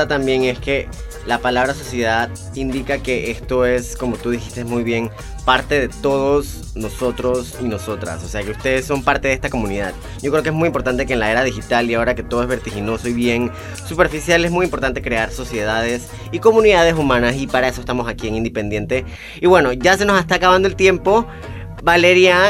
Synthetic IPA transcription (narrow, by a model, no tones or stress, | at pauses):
t̪ambje̞ŋe̞ske̞ | lapalaβ̞ɾaso̞sje̞ðað | ind̪ikake̞ʔe̞st̪o̞e̞sko̞mo̞t̪uðixist̪e̞zmujβje̞ŋ | paɾt̪e̞ðe̞t̪o̞ð̞o̞s | no̞so̞t̪ɾo̞sino̞so̞t̪ɾa̰so̞se̞ake̞ust̪e̞ðesːo̞mpaɾt̪eðe̞st̪akomũniðað | ɟ͡ʝokɾeoke̞smujimpo̞ɾt̪ant̪e̞keːnlae̞ɾað̞ixit̪aliao̞ɾake̞t̪oðoe̞zβe̞ɾt̪ixino̞so̞iβje̞n | supe̞ɾfisjale̞zmujimpoɾt̪ant̪e̞kɾe̞aɾso̞sje̞ðað̞e̞s | iko̞mũniðað̞e̞sumãnasipaɾaesoest̪amo̞sakieŋind̪epe̞nd̪je̞nt̪e̞ | iβwe̞no̞ʝas̬e̞no̞sest̪aːkaβand̪olt̪je̞mpo̞ | bale̞ɾja